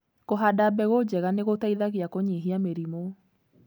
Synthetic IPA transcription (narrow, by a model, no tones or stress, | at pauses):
koɦadabɛɣod͡ʑɛɣaneɣotaiðaɣiakoɲiɦiameɾimo